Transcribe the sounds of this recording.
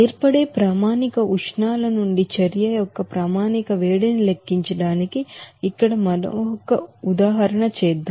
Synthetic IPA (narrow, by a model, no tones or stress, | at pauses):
eːɾpɐɽe̞ːpɾaːmaːnikɐʔuʂɳaːlɐnuɳɖit͡ʃɐɾjɐjɔkːɐpɾaːmaːnikɐʋeːɽinilekːiɲt͡ʃɐɽaːnikiːkːɐɽɐmɐnɔ̰kːɐud̪aːɦɐɾɐɳɐt͡ʃɛːd̪ːa